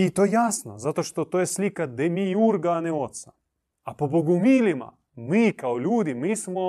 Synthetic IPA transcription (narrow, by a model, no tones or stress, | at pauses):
it̪ojaːsnozat̪oʃt̪ot̪oːjɛsliːkad̪ɛmijuɾɡanɛot̪sa | apoboɡumiːlima̰ | mikaolʲuːd̪imismo